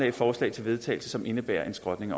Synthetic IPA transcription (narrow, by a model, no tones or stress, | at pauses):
ɛfɒːslɛ̰ɪt͡sʰe̝lʋe̝ð̞ˠt͡sʰɛ̰ɪl̩səsɒ̽mʔe̝nəb̥æːɐ̰ʔe̝nsɡ̥ʁɒ̽d̥ne̝ŋɒ̽